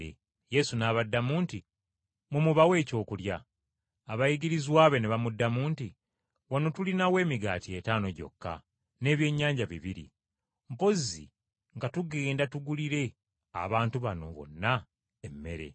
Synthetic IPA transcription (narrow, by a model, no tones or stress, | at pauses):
je̞sunaːβadːamuːnti | mumuβawe̞ːco̞ːkuljaː | βajiɡiɾizwaːβe̞neβamudːamuːnti | wano̞tulinawe̞ːmiɡa̰ːtie̞taːno̞ɟo̞̰kːa̰ | ne̞ːβje̞ːɲːaːɲɟaβiβiɾḭ | mpo̞zḭ | ŋɡatuɡe̞ːndatuɡuliɾe̞ | a̰βaːntuβano̞̰βo̞̰nːa | emːe̞̰ɾe̞̰